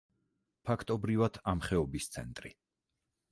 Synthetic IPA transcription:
pʰakʰt̪ʼɔbɾivad̪̥amχɛɔbist̪sʰɛ̰nt̪ʼɾi

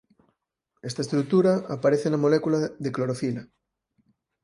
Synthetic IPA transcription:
est̪aest̪ɾuk̚t̪uɾaapaɾeθenamolekulaðekloɾofila

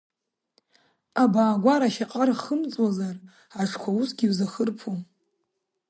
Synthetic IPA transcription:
abaːɡʷaɾaʃaqʼarχəmt͡sʼwazar | aʂʰkʷʰausɡʲiwzaχərpʰu

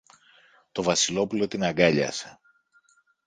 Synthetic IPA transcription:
t̪o̞vɐsilo̞pulo̞t̪inɐɡɐʎɐ̰se̥

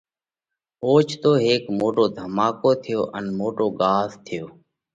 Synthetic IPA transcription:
oːt͡ʃʰt̪oːɦeːkmoːʈoːd̪ʱəmaːkoːt̪ʰɪjoːʔənmoːʈoːɠaːzt̪ʰɪjoː

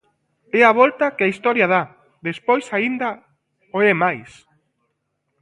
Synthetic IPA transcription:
ɛaβɔlt̪ɐkɪaist̪ɔɾjɐð̞a | ðespojsaind̪ɐ | oɛmajs

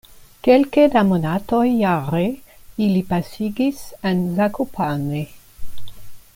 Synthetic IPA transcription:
kelked̪amonatojaɾeilipasiɡisenzakopʰane

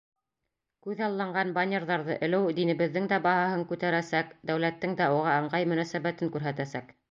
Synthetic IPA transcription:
kʉðɑlˠːɑɴɢɑnbanʲeɾðɑɾðɤʔɘ̆lɘwd̪inɘ̆βɘ̆ðːɘŋd̪æbɑhɑɦɤŋkʉt̪æɾæsækd̪æwlæt̪ːɘŋd̪æuʁɑɤ̆ɴɢɑjmɵ̆næsæβæt̪ɘŋkʉɾɦæt̪æsæk

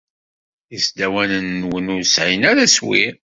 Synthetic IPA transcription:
jəsd̪æwænənːwənʊɾsʕinæɾæswḭ

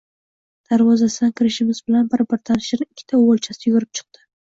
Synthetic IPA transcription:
d̪̥aɾvɒzasɪd̪ankʰʲɪɾɪʃɪmɪzbɪlanbɪɾbɪɾt̪ʰanɪʃɪɾɪɪkʲʰːɪ̥t̪ʰaolt͡ʃʰasɪjʊɡʊɾɪp̚t͡ʃʰɨ̥q̚t̪ɪ

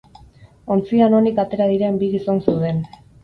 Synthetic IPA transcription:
o̞nt͡siano̞nikat̪e̞ɾaðiɾembiɣiso̞nsewðe̞n

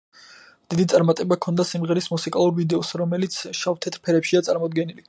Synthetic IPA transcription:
d̪̥id̪it̪sʼaɾmat̪ʼɛbakʰɔnd̪asimʁɛɾismusikʼalˠuɾvid̪ɛɔsɾɔmɛlit̪sʰʃaft̪ʰɛt̪ʰʼɾpʰɛɾɛpʃiat̪sʼaɾmɔd̪ɡɛnili

